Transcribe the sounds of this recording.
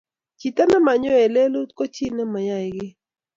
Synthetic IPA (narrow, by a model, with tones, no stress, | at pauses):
t͡ʃi˨t̪a˦na˦ma˨ɲɔ˦ɛ˨le˦lu˦t̪ko˦t͡ʃi˦nɛ˦ma˨ja˦˨ɪ˨ɡɪ˦